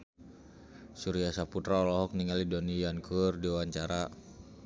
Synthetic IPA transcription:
suɾiasaput̪ɾaɔlɔɦɔk̚niŋalidɔnijankʰurdiwaɲt͡ʃaɾa

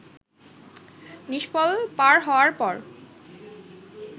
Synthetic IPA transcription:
niʃpɔlpaɾɦɔoaɾpɔɹ

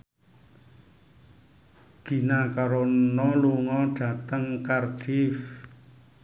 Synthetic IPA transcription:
ɡ̥i̤nakaɾonɔluŋɔɖ̥ä̤t̪əŋkard̥if

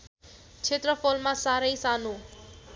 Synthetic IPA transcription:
t͡ʃʰet̪ɾəpʰolmãsaɾəjsanu

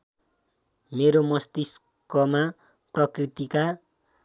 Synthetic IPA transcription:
meɾomʌst̪is | kʌma | prʌkrit̪ika

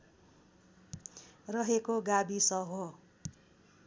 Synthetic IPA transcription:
rʌɦekoɡabisʌɦo

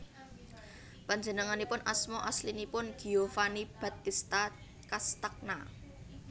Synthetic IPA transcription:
paɲd͡ʒənəŋanipʊnʔa̰smɔʔaslinipʊnɡ̥i̤ofanib̥a̤t̪ist̪a | kast̪ak̚na

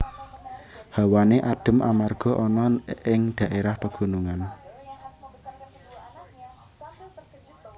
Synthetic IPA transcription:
hawaneʔaɖ̥ə̤mʔamarɡ̥ɔ̤ʔɔnɔɪŋd̪̥ä̤ʔeɾahpəɡ̥ṳnuŋan

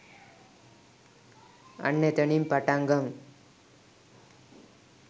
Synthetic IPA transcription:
ɐ̰ɳːet̪ɐɳimpɐʈaŋɡɐŋ

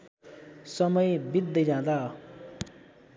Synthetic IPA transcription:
sʌmʌjbid̪ːʌd͡zãd̪a

